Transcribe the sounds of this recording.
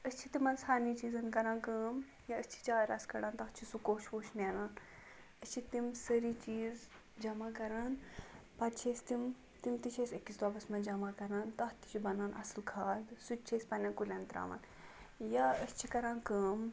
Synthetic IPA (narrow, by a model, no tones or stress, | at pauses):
əst͡ʃʰit̪imɐnsaːnit͡ʃiːzɐnkɐɾãːnkəːm | jaəst͡ʃʰi̥t͡ʃaːɾaskɐɽãːnt̪ɐht͡ʃʰisukoːʃʋoːʃnɛnaːn | əst͡ʃʰit̪imsəɾit͡ʃiːz | d͡ʒɐmakɐɾaːn | pɐt͡ʃʰeːsʲt̪im | t̪imt̪it͡ʃʰesʲekːisd̪aːbɐsmɐnd͡ʒɐmakɐɾaːnt̪ɐht̪i̥t͡ʃʰibɐnaːnʔɐ̰slkʰaːd̪sut͡ʃʰeːsʲpɐnãkulʲɐnt̪ɾa̰ːʋɐ̰n | jaəst͡ʃʰikɐɾãːnkəːm